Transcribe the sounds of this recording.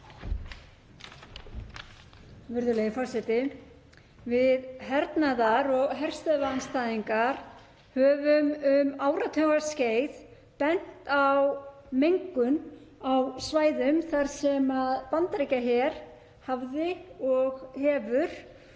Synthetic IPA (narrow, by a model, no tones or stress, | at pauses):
vɪɾðʏleːjɪfɔr̥sɛt̪ɪ | vɪðɦɛɾt̪naðaɾɔɣɦɛr̥st̪œvaanst̪aːðiŋkaɾ̥ | hœːvʏmʏmaːwɾat̪ʰœɣḁsceːjð | pɛn̥t̪aw | mejŋkʏnawsvaːjðʏmθaɾ̥sɛmaðpant̪ɾejcaçɛɾ̥ | havðɪɔɣhɛːvʏɾ̥